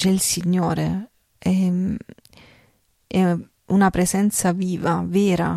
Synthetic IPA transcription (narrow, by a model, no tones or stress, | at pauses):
t͡ʃɛlsiɲːoːɾe | ɛ | ɛ | unapɾesɛnt̪saviːvavɛːɾa̰